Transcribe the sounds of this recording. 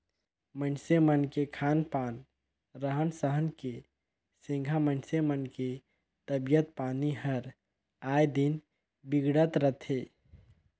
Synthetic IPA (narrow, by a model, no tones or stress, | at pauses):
mənsemənkekʰanpan | ɾəɦənsəɦənke | sĩŋɡʱamənsemənke | t̪əbijət̪paniɦəɾ | ajd̪in | biɡɽət̪ɾət̪ʰe